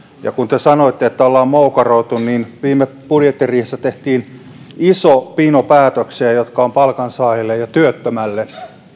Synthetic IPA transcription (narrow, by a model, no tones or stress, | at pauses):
jɑ̰kunt̪esɑnoit̪ːeet̪ːæolːɑːmmoukɑroit̪unninʋiːmːeb̥udjet̪ːiriːhest̪ːæt̪eht̪iːn | isopinopæːt̪økseːjot̪kɑompɑlkɑnsɑːjilːejjɑt̪yøt̪ːømælːe